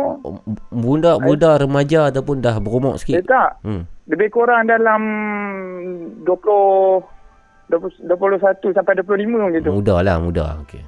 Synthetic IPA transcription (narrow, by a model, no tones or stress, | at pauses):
bundaʔbudaɾəmad͡ʒaːt̪awpʊndahbəɾumɔ̰ʔsə̥kiət̪aʔmləbekoɾaŋdalam | duəplɔ | dduəp̬lʊlosat̪usampajduəp̬lʊlimə̃ɡit̪umudalahmuda̰okḛ